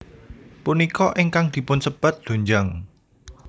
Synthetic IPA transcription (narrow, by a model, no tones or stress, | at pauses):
punikɔʔɪŋkaŋd̪̥i̤pʊnsəb̥a̤t̪̚d̪̥o̤ɲd͡ʒaŋ